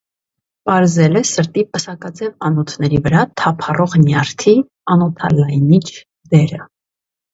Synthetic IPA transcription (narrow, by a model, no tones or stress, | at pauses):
pɑɾzɛlɛsəɾt̪ipəsɑkɑt͡sɛvɑnɔt̪ʰnɛɾivəɾɑt̪ʰɑpʰɑrɔʁnjɑɾt̪ʰi | ɑnɔt̪ʰɑlɑjnit͡ʃʰ | d̪ɛɾə